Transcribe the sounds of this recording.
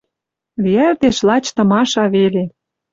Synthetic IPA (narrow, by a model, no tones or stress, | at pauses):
βiært̪eʃlɑt͡ɕt̪ɤ̆mɑʃɑβele